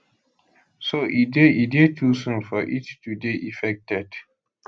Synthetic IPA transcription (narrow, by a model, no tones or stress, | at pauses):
soʔideidetusə̃nfɔʔitːudeʔifɛk̚tɛd̥